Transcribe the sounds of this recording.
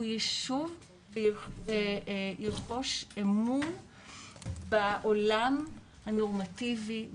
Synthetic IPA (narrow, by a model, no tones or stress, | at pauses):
jiʃuv | vejiqoʃemun | baʔolam | hanoʁmativi